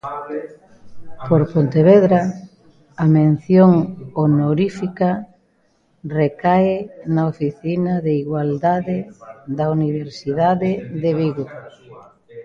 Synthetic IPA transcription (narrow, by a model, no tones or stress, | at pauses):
poɾpont̪eβeðɾa | ɐmẽn̟θjoŋonoɾifikɐ | rekaenaofiθinaðeiɣwald̪aðɪðɐuniβeɾsiðaðɪðeβiɣo